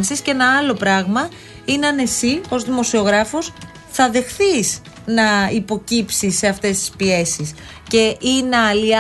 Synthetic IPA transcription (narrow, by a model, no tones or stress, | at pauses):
nsisce̞nɐɐlo̞pɾɐɣmɐ | ineɐne̞sio̞zðimo̞sio̞ɣɾɐfo̞s | θɐðe̞xθiz | nɐipo̞cipsisːe̞ɐft̪e̞st̪i̥spie̞sis | ce̞ʔineɐliɐ